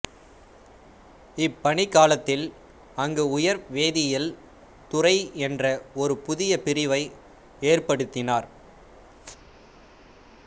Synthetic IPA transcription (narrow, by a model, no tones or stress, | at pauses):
ɪpːɐɳɪkːaːlɐt̪ːɪl | ɐŋɡeʊjɐɾʋeːðɪjɪl | t̪ʊrɐɪɛndrɐɔɾɯpʊðɪjɐpɪɾɪʋɐɪ | eːrpɐɽɯt̪ːɪnaːɾ